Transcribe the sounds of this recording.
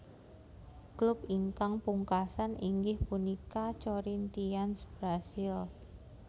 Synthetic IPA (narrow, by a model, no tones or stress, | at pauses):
klʊpiŋkaŋpuŋkasaniŋɡɪhpunikat͡ʃoɾint̪iansb̥ɾasɪl